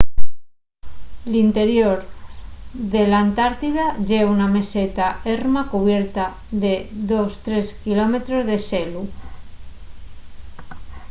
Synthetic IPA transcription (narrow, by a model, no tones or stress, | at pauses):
lint̪eɾjoɾ | ðelant̪aɾt̪iðaʝeuname̞set̪aeɾmakuβ̞jeɾt̪a | ðeðost̪ɾeskilomet̪ɾozðeselu